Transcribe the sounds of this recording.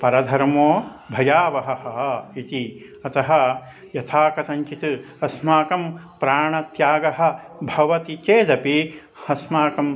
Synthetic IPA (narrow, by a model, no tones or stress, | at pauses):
pɐɾɐd̪ʱɐɾmoːbʱɐjaːʋɐɦɐɦɐɦɐit̪i | ɐt̪ɐɦɐ̆ | jɐt̪ʰaːkɐsɐ̃ɲt͡ʃit̪ɨ | ɐsmaːkɐmpɾaːɳɐt̪jaːɡɐɦɐ̆bʱɐʋɐt̪it͡ʃeːd͡ʒɐpi | hɐsmaːkɐm